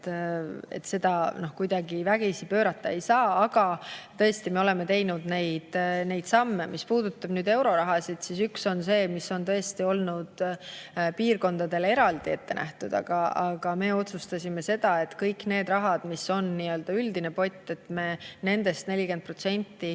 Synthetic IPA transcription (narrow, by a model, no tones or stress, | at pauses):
e̞̰t̪se̞d̪̥ɑno̞hkujd̪̥ɑɡivæɡ̥isipøːɾɑt̪ːɑe̞jsɑːɑɡ̥ɑt̪ɤ̞est̪ime̞o̞le̞me̞t̪e̞jnud̪ne̞jd̪̥ne̞jd̪̥sɑmːemispuːd̪̥ut̪ːˑɑb̥nyːd̪e̞wɾo̞ɾɑɦɑsid̪̥sisykso̞nse̞ːmisːo̞nt̪ɤ̞est̪io̞lnud̪̥ | piːrko̞nd̪̥ɑd̪e̞le̞ɾɑld̪̥ie̞t̪ːe̞nʔæ̰ht̪ud̪̥ɑ̰ɡ̥ɑɑɡ̥ɑme̞ːo̞t̪sust̪ɑsʲime̞se̞d̪̥ɑe̞t̪ːkɤjkne̞ːd̪rɑɦɑd̪̥misːo̞nniøld̪̥ɑyld̪ine̞po̞jt̪ˑːe̞t̪me̞ːne̞nd̪e̞st̪ne̞lʲike̞nd̪̚pro̞t̪se̞nʲt̪ːi